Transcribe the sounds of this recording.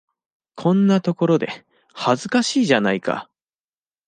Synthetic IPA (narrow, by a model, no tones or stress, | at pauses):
kʰõ̞nːat̪o̞ko̞ɾo̞d̪e̞̰ | hazɨkaɕiːʑanaika̰